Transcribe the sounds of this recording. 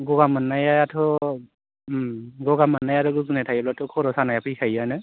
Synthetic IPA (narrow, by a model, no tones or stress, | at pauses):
ɡɔɡamanːajaatʰɔ | ɡɔɡamanːajaɾɯɡɯzunɛtʰajɔlatʰɯkʰɔɾɔsanajapʰikʰajanɯ